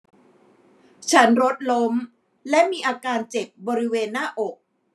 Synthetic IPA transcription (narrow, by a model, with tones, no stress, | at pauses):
t͡ɕʰa˦˥nɾo˦˥t̪̚lo˦˥m | lɛ˦˥miː˧ʔaː˧kaː˧nt͡ɕe˨˩p̚bɔː˧ɾi˦˥weː˧nːaː˥˩ʔo˨˩k̚